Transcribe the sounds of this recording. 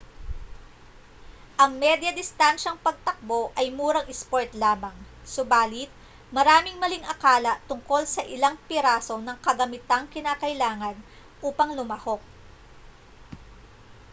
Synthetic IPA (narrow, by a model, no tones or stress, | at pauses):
ʔɐŋmɛd̪jɐd̪ɪst̪anʃɐŋpɐɡ̚t̪ɐk̚bo̞ʔɐjmuːɾɐŋʔɪspoɹt̪laːmɐŋsʊbaːlɪt̪̚ | mɐɾaːmɪŋmɐliŋʔɐkaːlɐʔt̪ʊŋko̞lsɐʔɪlaŋpɪɾaːso̞nɐŋkɐɡɐmɪt̪aŋkɪnaːkɐʔɪlaːŋɐn | ʔuːpɐŋlʊmɐho̞k̚